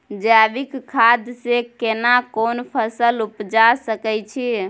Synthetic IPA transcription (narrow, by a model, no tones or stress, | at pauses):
d͡ʒabikkʰːad̪ʱsekenakonpʰəsəlupd͡ʒasəkɛt͡ʃʰi